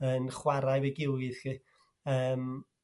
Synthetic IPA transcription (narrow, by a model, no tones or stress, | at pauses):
ənχwaɾajveɡɪlɡɪðki | əːm